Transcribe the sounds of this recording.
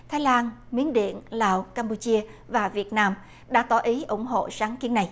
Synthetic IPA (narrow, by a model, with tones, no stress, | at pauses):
t̪ʰaː˨˦jlaː˧nmi˨˦ənɗḭ˧˨ənlaː˨˩wkaː˧mpu˧t͡ɕi˧əvaː˨˩vi˨˩ət̚naː˧m | ɗa̰ː˧˥t̪ɔ˨˦ʔi˨˦ʔʊ˧˩ŋ͡mɦo̰˧˨saː˨˦ŋki˨˦ənːa˨˩j